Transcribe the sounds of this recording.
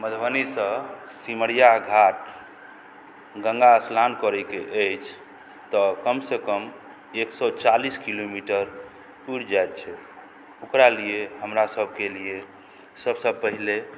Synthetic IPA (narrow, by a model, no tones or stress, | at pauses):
məd̪ʱbənisə̃ | siməɽijaɡʱaʈ̚ | ɡə̃ŋɡaəslankɔɾɛkeʔəjt͡ʃʰ | t̪ɔkəmsekəm | eksɔt͡ʃaliskilomiʈəɾ | puɾd͡ʒajt̪̚t͡ʃʰɛ | okɾalijeɦəmɾasəbʱkelie | səbsəb̚pəɦile